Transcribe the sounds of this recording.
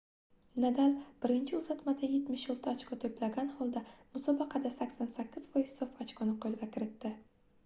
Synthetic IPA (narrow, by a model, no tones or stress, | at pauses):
nad̪alb̥ɪɾɪnt͡ʃʰɪʊzat̪mad̪aje̞t̪mɪʃjolˠt̪ʰaat͡ʃkʰɒt̪ʰoplaɡʲanhɒlˠd̪amʊsɒbɑqʰɑd̪asakʲsansakʲːɪz̥vɒjɪz̥sofat͡ʃkʰonɪqʰolɡʲakʲʰɪɾɪt̪ːɪ